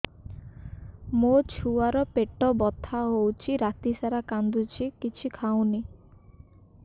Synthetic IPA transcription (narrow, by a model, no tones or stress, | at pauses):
mot͡ʃʰuaɾɔpeʈɔbɔt̪ʰaɦowt͡ʃʰiɾat̪isaɾakand̪ut͡ʃʰikit͡ʃʰikʰaw̃ni